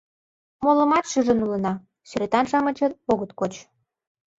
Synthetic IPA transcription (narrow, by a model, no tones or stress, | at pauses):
molə̆mɑt̪ʃyʒə̆nulə̆nɑ | syɾet̪ɑnʃɑmə̆t͡ɕɤ̆t̪oɣət̪kot͡ɕ